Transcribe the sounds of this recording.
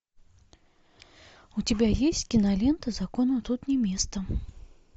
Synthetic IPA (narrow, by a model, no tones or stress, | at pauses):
ut͡sʲabʲajesʲt͡sʲkʲinalʲɛnt̪ɐzakɔnut̪ut̪nʲɛmʲest̪ɐ